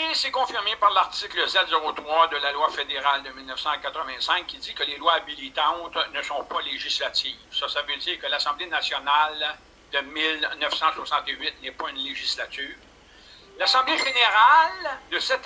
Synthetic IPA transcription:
esɛkɔ̃fiʁmepaʁlaʁt̪ikləsɛt̪zeʁot̪ʁwad̪əlalwafed̪eʁald̪əmilnəfsɑ̃kat̪ʁəvɛ̃sɛ̃kʲkʲːid͡zikəlelwaːbilit̪ɑ̃t̪nəsɔ̃paleʒislat̪iːvsʌsavød͡z̪iːʁkəlasɑ̃blenasjɔnal | d̪əmɪlnœfsɑ̃swasɑ̃t̪eɥɪt̪̚nɛpʌynleʒislat̪yːʁ | lasɑ̃bleʒeneʁald̪əsɛt̪

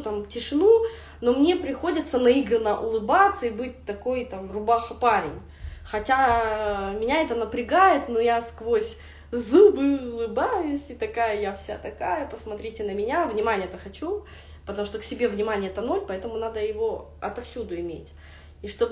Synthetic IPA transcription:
t̪amtʲɪʂɨnu | no̞mnʲe̞pɾʲɪxo̞dʲɪt̪sənɐiɡɾənːəʔʊlˠɨbat̪səibɨt̚ʲt̪ɐko̞jt̪amrʊbaxəpaɾʲɪ̰nʲ | xɐtʲa | mʲɪnʲaɛt̪ənəpɾʲɪɡajɪt̪nojaskvosʲ | zɨbɨʊlˠɨbajʊsʲɪt̪ɐkajəjafsʲa̰t̪ɐkajəpəsmɐt̪ɾʲitʲɪnəmʲɪnʲavnʲɪmanʲɪjəɛt̪əxɐt͡ɕu | pət̪ɐmuʂt̪o̞ksʲɪbʲe̞vnʲɪmanʲɪjəɛt̪əno̞lʲpɐɛt̪əmʊnad̪əjɪvo̞ | ɐ̰t̪ɐfsʲud̪ʊɪmʲḛtʲ | iʂt̪o̞b

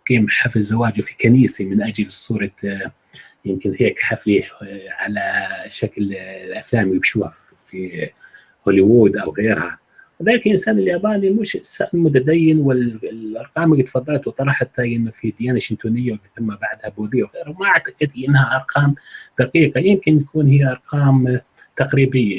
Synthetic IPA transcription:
qiːmħafɪlzawaːd͡ʒwfi̥kaniːsimɪnʔad͡ʒalsˤuːɾˤɑ | jɪmkɪnheːkħafliʕa̰laʃakllʔaflaːmjɪbʃuːha̰f | fi | hʊliwuːd̪ʔawɣeːɾha | wɪðaːlɪklʔɪnsaːnɪljaːbaːnimʊʃsːaʔmʊt̪̬ad̪ajːɪnwɪʔɑɾˤqɑːmɡt̪fɑd̪ˤːɑlt̪wt̪ˤɑɾˤɑħat̪ːaʔɪnːofid̪ɪjaːnaʃɪnt̪uːnɪjːawɪbt̪amːabaʕd̪habuːd̪ɪjːawɣeːɾhawmaʔaʕt̪ḁqɪd̪lʔɪnːhaʔɑɾˤqɑːmd̪̥aqiːqɑjɪmkɪnt̪akuːnɦɪjːaʔɑɾˤqɑːm | t̪aqɾiːbɪjːa

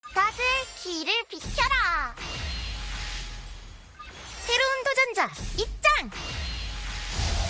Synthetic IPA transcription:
tasɯkiɾɯɭpikʰjʌɾa | sʰe̞ɾountod͡ʑʌnd͡ʑait͡ɕ͈aŋ

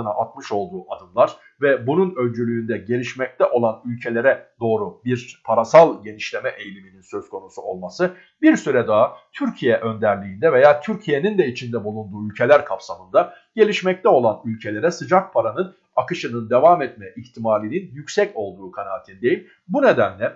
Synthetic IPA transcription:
naʔat̪mɯʃo̞lˠd̪uːʔad̪ɯmlˠaɾ̥ | vɛbununø̞lʲd͡ʒylʲyːnd̪ɛɟe̞lʲiʃmɛc̚t̪ʰɛʔo̞lˠanylʲcʰe̞lʲe̞ɾɛd̪̥o̞ːɾubiɾpʰaɾasalˠɟe̞niʃlʲe̞mɛʔejlʲimininsø̞z̥kʰo̞nusuo̞̰lˠmasɯ | biɾsyɾɛd̪aːt̪ʰyɾcʰijɛʔø̞nd̪æɾlʲiːnd̪ɛve̞jaːt̪ʰyɾcʰije̞nind̪ɛit͡ʃʰind̪ɛbulˠund̪uːylʲcʰe̞lʲæɾkʰapsamɯnd̪a | ɟ̥e̞lʲiʃmɛc̚t̪ʰɛo̞lˠanylʲcʰe̞lʲe̞ɾɛsɯd͡ʒak̚pʰaɾanɯn | akɯʃɯnɯnd̪e̞vaːmɛt̪̚mɛʔiçt̪ʰimaːlʲininjycsɛco̞lˠd̪uːkʰanaːt̪ʰind̪e̞jim | bune̞d̪ænlʲɛ

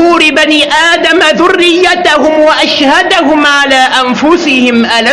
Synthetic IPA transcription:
uːɾɪbaniːʔaːd̪amaðʊrːɪjːat̪ahʊmwaʔaʃhad̪ahʊmʕalaːʔanfʊsɪhɪmʔala

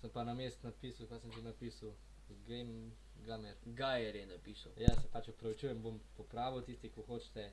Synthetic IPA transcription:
səmpanɐmeːst̪napisɐwkasəmʒenapiːsɐw | ɡɛm | ɡamɛɾɡajɛɾjɛnɐpisɐwjasɛpat͡ʃɔpɾɐʋit͡ʃujɛmbompɔpɾaːʋiwt̪ist̪ikoxot͡ʃt̪ɛ

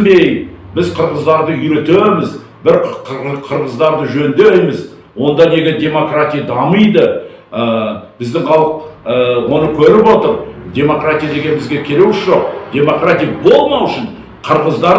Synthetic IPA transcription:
be̞jbɪzqʰəɾʁəzd̪ɑɾd̪əʏjɾe̞t̪emɪz | bɪɾqʰəɾʁəzd̪ɑɾd̪əʒɵnd̪ejmɪz | wo̞nd̪ɑne̞ɡʲe̞d̪ʲe̞mo̞krat̪ʲijad̪ɑməjd̪ə | əb̥ɪzd̪ɪŋχʰɑlˠəqwo̞nəkʲʰɵɾɪpwo̞t̪əɾd̪ʲe̞mo̞krat̪ʲijad̪e̞ɡʲe̞nbɪzɡʲe̞kʲʰe̞ɾe̞wɪʃʒo̞q̚d̪̥ʲe̞mo̞krat̪ʲijabo̞lˠmɑwɪʃɪn | qʰəɾʁəzd̪ɑɾ

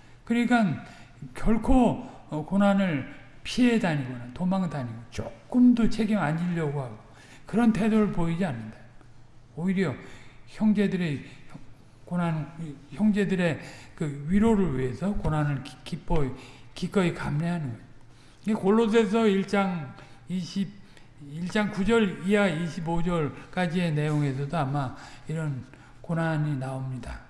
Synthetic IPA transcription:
kɯɾikan | kjʌɭkʰo | konanɯɭ | pʰiedaɲiɡʌnatomaŋetaɲiɡot͡ɕok͈ɯmdot͡ɕʰe̞ɡimaɲiʎːʌɡohaɡo | kɯɾʌntʰe̞doɾɯɭpoid͡ʑianːɯnda | oiɾjʌçjʌŋd͡ʑe̞dɯɾeʌ | konançjʌŋd͡ʑe̞dɯɾe̞kɯɥiɾoɾɯɭɥḭɦe̞sʰʌkonanɯɭkip͈ʰʌ | kik͈ʌikamɲiɦanɯɡo | ɡekoɭːos̬ʰe̞s̬ʰʌiɭt͡ɕ͈aŋiɕʰib̚ | iɭt͡ɕ͈aŋkud͡ʑʌɾiaiɕʰibod͡ʑʌɭk͈ad͡ʑie̞ne̞joŋe̞sʰʌdoamaiɾʌn | konaɲinaomɲida̰

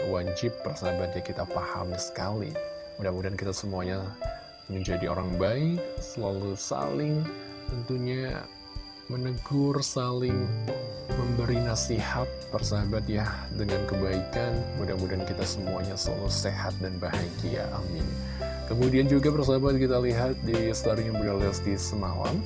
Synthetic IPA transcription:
wad͡ʒɪpːərsaabat̪̚jakit̪afaha̰msə̥kalḭ | mudaŋmudankit̪asəmuaɲa | məɲd͡ʒadio̰ɾaŋbaɪksəlalusa̰lɪŋ | t̪ənt̪uɲa | mənəɡʊrsalɪŋ | məmbəɾinasihat̪̚pərsaɦabat̪jahdəŋankəbaikanmudamudankit̪asəmua̰ɲasəla̰luseɦat̪̚danbaɦaɡia̰ʔamɪ̰n | kəmudiand͡ʒuɡapərs̬aɦabat̪̚kit̪aliɦat̪̚disəlaɾijaŋbuɡalɛsdisəna̰wa̰n

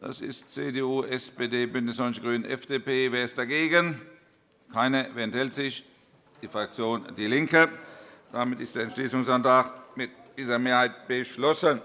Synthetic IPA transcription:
d̥a̰sɪ̰stt͡seːdeːuːʔɛspeːdeːbʏndəsɔnçəɡ̥ʁyːnnʔɛfd̥eːpeːveːɐɪstd̥aɡeːɡən | kʰaɪnəveːɐɛnthɛltz̥ɪç | d̥iːfʁak̚t͡sjoːnd̥iːlɪŋkəd̥amɪtɪstd̥eːɛnt͡ʃʃliːsʊŋsantʁaχmɪt̚d̥iːzɐmeːɐhaɪt̚b̥əʃlɔsən

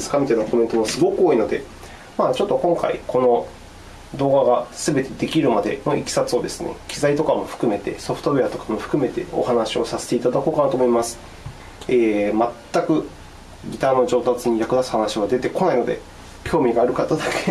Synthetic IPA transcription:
sɨ̥kamʲit̪anakʰo̞me̞nt̪o̞mosɨɡo̞kɯoːino̞d̪e̞̰ | maːt͡ɕo̞t̪ːo̞kõ̞ŋka̰ḭkʰo̞no̞ | d̪o̞ːɡaɡasɨbe̞t̪e̞d̪e̞kʲiɾɯ̟mad̪e̞̰no̞ʔikʲi̥sat͡sɨod̪e̞sɨ̥nḛkʲʰizait̪o̞kamo̞ɸɯ̟̥kɯ̟me̞t̪e̞̰so̞ɸɯ̥t̪o̞eat̪o̞kamo̞ɸɯ̟̥kɯ̟me̞t̪e̞o̞̰hanaɕio̞sase̥t̪e̞it̪ad̪ako̞ːkanat̪omo̞imasɨ̥ | eːmat̪ːakɯ̟ | ɡʲit̪aːno̞ʑo̞ːt̪at͡sɨɲ̟ijakɯ̟d̪asɨ̥hanaɕiβ̞ad̪e̞t̪e̞ko̞naino̞d̪e̞̰ | kʲo̞ːmʲiɡaːɾɯ̟kat̪ːad̪akʰe

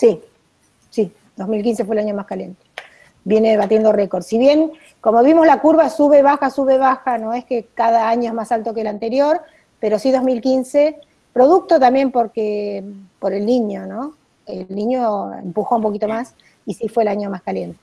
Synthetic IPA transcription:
si | si | d̪o̞zmilk̬ins̬e̞fwelaɲo̞maskalje̞nt̪e̥ | bje̞neeβat̪je̞nd̪orekoɾd̪siβje̞ŋ | ko̞moβimozlakuɾβasuβeβaxasuβeβaxano̞eskekaðaaɲoemasalt̪o̞kelant̪e̞ɾjo̞ɾ | pe̞ɾosiðo̞zmilkinse | pɾo̞ðuk̚t̪ot̪ambje̞mpo̞ɾkepoɾe̞lniɲo̞no̞ | elnĩɲo̞ḛmpuxoump̬o̞kit̪o̞mas | isifwe̞ːlaɲo̞maskalje̞nt̪e

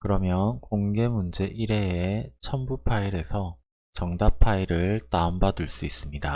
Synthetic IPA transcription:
kɯɾʌmjʌnkoŋɡe̞mund͡ʑe̞ʔiɾe̞ːet͡ɕʰʌmbupʰaiɾe̞sʰʌ | t͡ɕʌŋdapʰaiɾɯɭtaombaduɭs͈uis͈ɯmɲida

